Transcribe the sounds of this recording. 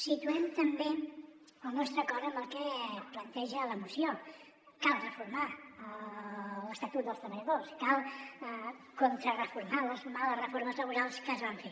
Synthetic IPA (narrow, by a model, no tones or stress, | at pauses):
sit̪uɛmt̪əmbe | əlˠnɔst̪ɾəkɔɾəməlˠkɛplənt̪ɛʒələmusio | kalˠrəfuɾma | ləst̪ət̪ut̪̚d̪əlˠst̪ɾəβəʎəðoskalˠ | kont̪ɾərəfuɾmaləsumaləsrəfoɾməzləβuɾalˠskəzβaɱfe